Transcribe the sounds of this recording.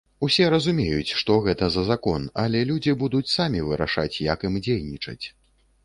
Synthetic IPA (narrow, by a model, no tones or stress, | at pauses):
usʲɛɾɐzumʲejut͡sʲʂt̪ɔɣɛt̪ɐzɐzakɔnɐlʲɛlʲud͡zʲibud̪ut͡sʲsamʲivɨɾa̰ʂa̰t͡sʲjɐkimd͡zʲejnʲit͡ʂɐ̰t͡sʲ